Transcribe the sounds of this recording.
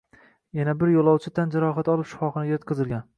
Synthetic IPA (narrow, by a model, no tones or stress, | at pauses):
janabɪɾjolˠɒwt͡ʃʰɪt̪ʰand͡ʒaɾɒɦat̪ɒlˠɪpʃɪ̥fɒχɨnɪɡʲajot̪̚qʰɨzɪlɡʲan